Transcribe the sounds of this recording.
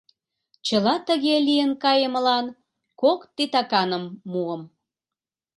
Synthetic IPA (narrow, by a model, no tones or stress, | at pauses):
t͡ɕəlɑt̪əɣelijənkɑjəməlɑn | kokt̪it̪ɑkɑnəmːuəm